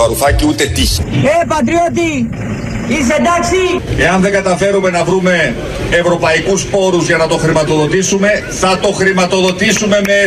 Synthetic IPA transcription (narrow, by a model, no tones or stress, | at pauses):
ɐɾuθɐciut̪e̞t̪içepɐt̪̬ɾiot̪̬i | ised̪ɐksie̞ɐnðe̞ŋɡɐt̪ɐfe̞ɾume̞nɐvɾume̞ː | vɾo̞pɐikuspo̞ɾuzʝɐnɐt̪o̞xɾimɐt̪o̞ðo̞t̪isume̞ | θɐt̪oxɾimɐt̪o̞ðo̞t̪isume̞me